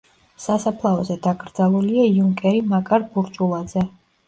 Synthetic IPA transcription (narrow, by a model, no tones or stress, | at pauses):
sasapʰlˠaɔzɛd̪aɡɾd̪zalˠuliaiuŋkʼɛɾimakʼaɾbuɾt͡ʃʼulˠad̪zɛ